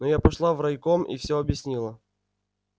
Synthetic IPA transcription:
nojapɐʂlˠavrɐjkomḭfsʲɵɐbjɪsʲnʲilˠə

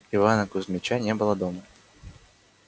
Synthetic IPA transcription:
ivanɐkʊzmʲɪt͡ɕanʲɛbɨlˠəd̪ɔmɐ

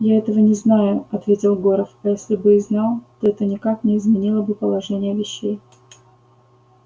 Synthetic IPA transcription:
jaɛt̪əvənʲɪznajʊɐt̪vʲetʲɪlˠɡoɾəfɐjesʲlʲɪbɨɪznɑlˠt̪oɛt̪ənʲɪkaknʲɪɪzmʲɪnʲilˠəbɨpəlˠɐʐɛnʲɪjəvʲɪɕːej

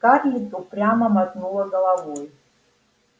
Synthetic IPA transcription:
karlʲitʼupʼrʲamɐmat̪ʼnulˠɐɡɐlˠavɔj

